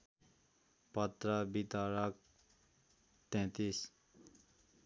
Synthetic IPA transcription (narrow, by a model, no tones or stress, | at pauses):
pɐt̪ɾəbit̪aɾak̚ | t̪ɛ̃ːt̪is